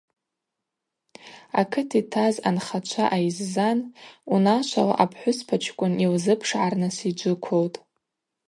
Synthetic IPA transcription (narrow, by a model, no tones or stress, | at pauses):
a̰kʰɨtʰitʰaza̰nχat͡ʃʷʰaʔajizzanunat͡ʃʷʰala̰ʔapʰħʷʊspʰat͡ʃʰkʷʼʊnilzɨpʰʂʕarnɨsid͡ʒʷʊkʷʰowtʼ